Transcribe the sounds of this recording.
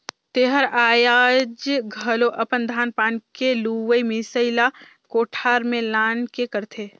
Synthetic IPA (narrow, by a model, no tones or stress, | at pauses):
t̪eːɦəɾaːjaːd͡ʒɡʱɐloʔɐpənd̪ʱaːnpaːnkeluʋəimisəɪla | koːʈʰaːɾmẽlaːnkekəɾt̪ʰeː